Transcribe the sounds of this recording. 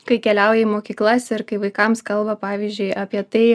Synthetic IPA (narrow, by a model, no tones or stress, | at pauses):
kɐɪkʲɛlʲɛʊjɛmoːkʲiːklˠɐsʲɪɾkɐɪʋɐɪkɐmskɐlˠbɐpɑːʋʲiːzʲd͡ʒʲʊɪɑːpʲiɛt̪ɐɪ